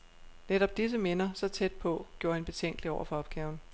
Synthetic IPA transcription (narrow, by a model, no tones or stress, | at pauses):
neɾɒ̽b̥̚d̥is̬əme̝nɐsɒ̽t͡sʰed̥̚pʰɒ̽ɡ̥jo̝ɐe̝nb̥e̝t͡sʰeŋ̰ɡ̥liɒʊɐfɒ̽ɒ̽b̥̚ɡ̥ɛːʊn̩